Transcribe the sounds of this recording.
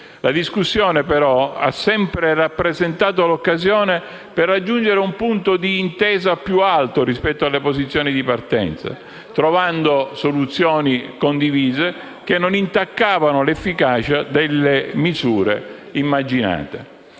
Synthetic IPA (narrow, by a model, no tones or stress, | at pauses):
lad̪iskusːjɔːnepeɾɔa̰sːɛmpɾerapːɾezent̪aːt̪̬olokːazjɔːne | perːad͡ʒːund͡ʒeɾeumpunt̪od̪iːnt̪ɛːzapjualt̪oɾispɛt̪ːoalːepozit̪sːjoːnid̪ipart̪ɛ̰nt̪sa̰ | t̪ɾovand̪osolut̪sːjoːnikond̪iviːze | k̟enːonint̪akːaːvanolefːikaːt͡ʃad̪elːemizuːɾḛ | imːad͡ʒina̰ːt̪e